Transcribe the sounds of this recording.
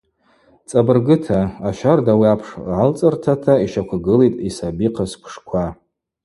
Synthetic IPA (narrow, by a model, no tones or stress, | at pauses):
t͡sʼabɨrɡɨtʰaaʃᶣardawiapʰʂʕalt͡sʼɨrtʰatʰaiʃakʷʰaɡɨlitʼisabiqʰaspʷʰʂkʷʰa